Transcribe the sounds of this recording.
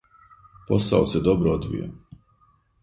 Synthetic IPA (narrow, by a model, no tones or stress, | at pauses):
pɔsa̰wt̪sʲɛd̪ɔbɾɔd̪vḭja̰